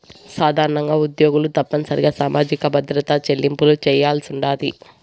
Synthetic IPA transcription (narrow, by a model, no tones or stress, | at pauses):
saːd̪ʱaːɾɐɳɐŋɡaːud̪jo̞ːɡulut̪ɐpːɐnɐsɐɾiɡaːsaːmaːd͡ʒikɐbʱɐd̪ɾɐt̪ɐt͡ʃelːimpulut͡ʃɛːjaːlsuɳɖaːli